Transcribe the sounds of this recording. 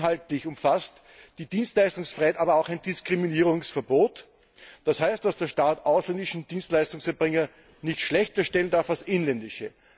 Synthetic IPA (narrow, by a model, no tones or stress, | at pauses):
ɦaltlɪçʊmfast | d̥iːd̥iːnstlaɪstʊŋsfʁaɪhɛtaːbɐaʊxæɪndɪskʁ̥iminiːʁʊŋsfɛɐboːt | d̥ashæɪst̚d̥asd̥eːɐʃtaːtʔaʊslɛndɪʃn̩d̥iːnstlaɪstʊŋsɛɐbʁɪŋɐ | nɪçtʃlɛçtɐʃtɛləndaɐfalsʔɪnlɛndɪʃə